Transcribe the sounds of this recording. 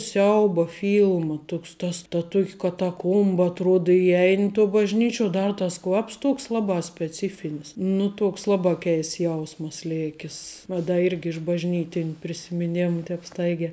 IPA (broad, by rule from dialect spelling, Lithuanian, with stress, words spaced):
ˈsʲɛʊbɐ ˈfʲiːlˠmɐ ˈtʊks tɐs tɐ ˈtuɔkʲ kɐtɐˈkuɔmbɐ ɐtˈruɔt ɪˈjɛɪnʲ toː bɐʒʲˈnʲiːt͡ʃʲuɔ ˈdɐr tɐs ˈkʋɐps ˈtuɔks ˈlˠɑːbɑː sʲpʲɛˈt͡sʲɪfʲɪnʲɪs ˈnʊ ˈtuɔks ˈlˠɑːbɑː ˈkʲɛɪsts ˈjɛʊsmɐs ˈlʲeːkʲɪs ˈʋɐ dɐ ˈɪrʲɡʲɪ ɪʃ bɐʒʲˈnʲiːtʲɪnʲ pʲrʲɪsʲɪmʲɪˈnʲeːmʊ ˈtʲɛːp ˈstɐɪɡʲɛː